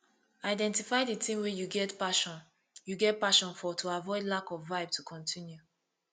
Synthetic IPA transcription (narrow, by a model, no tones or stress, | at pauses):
aɪdɛ̃ntifaɪdətʰĩmwɛjuɡɛtpaʃɔ̃n | juɡɛt̚paʃɔ̃nfɔtʰuavɔɪdlakɔvvaɪb̚tʰukʰɔ̃ntʰĩnju